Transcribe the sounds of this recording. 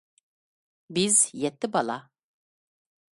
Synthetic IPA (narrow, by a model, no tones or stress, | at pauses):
bɪzjɛt̪ʰːɪbɑlˠɑ